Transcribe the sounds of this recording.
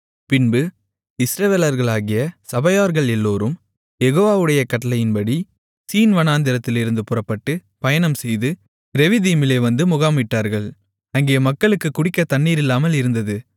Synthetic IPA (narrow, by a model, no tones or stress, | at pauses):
pɪnbɯ | ɪsɾɐʋeːlɐɾɣɐɭaːɣɪjɐsɐbɐjaːɾɣɐɭɛlːoːɾɯm | jɛɣoːʋaːʋɯɽɐjɐkɐʈːɐlɐjɪnbɐɽi | siːnʋɐnaːnd̪ɪɾɐt̪ːɪlɪɾɯnd̪ɯpʊrɐpːɐʈːɯ | pɐjɐnɐmsɛjðɯ | ɾɛʋɪðimɪleːʋɐnd̪ɯmʊɣaːmɪʈːaːɾɣɐɭ | ɐŋɡeːɐmɐkːɐɭɯkːɯkːʊɽɪkːɐt̪ɐɳːiːɾɪlːaːmɐlɪɾɯnd̪ɐðɯ